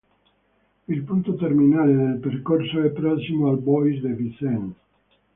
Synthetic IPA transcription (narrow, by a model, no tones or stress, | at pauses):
ilpunt̪ot̪erminaːled̪elperkorsoɛpːɾɔsimoalbɔjsd̪evisɛn